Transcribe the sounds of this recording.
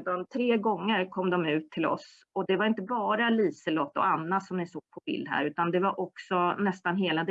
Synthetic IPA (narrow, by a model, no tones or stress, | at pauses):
d̪ant̪ʰɾeːɡɔŋːəɾkʰɔmd̪ɔmʉ̟ːt̪ʰːɪlɔ̰s | ɔd̪ɛvaɾɪnt̪əbɑːɾaliːsəlɔt̪ːɔ̰anːasɔmnɪsoːɡ̥̚pʰɔbɪ̰ld̪hæ̰ːɾʉ̟ːt̪and̪ɛvaɾʔɔksɔnɛst̪anɦeːlad̪